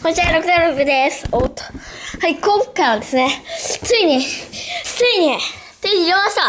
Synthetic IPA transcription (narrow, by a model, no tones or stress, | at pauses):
hõt͡ɕaɾokɯzẽobɯd̪esot̪o̥haikõŋkaiβad̪e̞sɨnet͡sɨiɲ̟i | t͡sɨiɲi | t͡sɨiɲijoast̪o